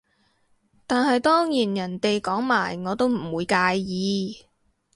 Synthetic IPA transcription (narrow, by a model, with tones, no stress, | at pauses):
t̪aː˨nɦɐ˨jt̪ɔː˥ŋjiː˨˩njɐ˨˩nt̪e˨jkɔː˨˥ŋmaː˨˩jŋɔː˨˧t̪o˥wm̩˨˩wuː˨˧jkaː˧jjiː˨˧